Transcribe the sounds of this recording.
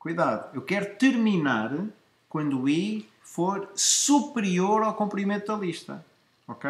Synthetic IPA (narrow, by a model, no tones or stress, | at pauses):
kujðaðuewkɛɾut̪ɨɾminaɾ | kwɐ̃nd̪ui | foɾsupɾioɾawkõmpɾimẽnt̪ðɐlˠiʃt̪ɐ̰ | ɔke